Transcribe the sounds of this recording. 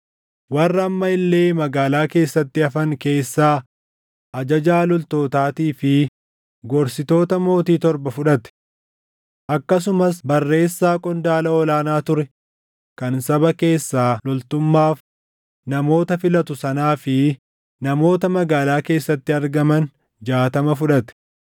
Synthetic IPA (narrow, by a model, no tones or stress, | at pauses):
wɐrːɐːmːɐɪlːe̞ːmɐɡaːlaːke̞ːsːɐt̪ːɪɐfɐŋke̞ːsːaː | ʔɐd͡ʒɐd͡ʒaːlɔlt̪oːt̪aːt̪iːfɪ | ɡɔɾsɪt̪o̞ːt̪ɐmo̞ːt̪iːt̪ɔɾbɐfʊᶑɐt̪ɛ̥ | ʔɐkːɐs̬ʊmɐsbɐrːe̞ːsːaːkʼɔnd̪aːlɐɔlaːnaːt̪ʊɾɛ | kɐnsɐbɐke̞ːsːaːlɔlt̪ʊmːaːf | nɐmo̞ːt̪ɐfɪlɐt̪ʊsɐnaːfɪ | nɐmo̞ːt̪ɐmɐɡaːlaːke̞ːsːɐt̪ːɪɐɾɡɐmɐn | d͡ʒaːt̪ɐmɐfʊᶑɐt̪ɛ̥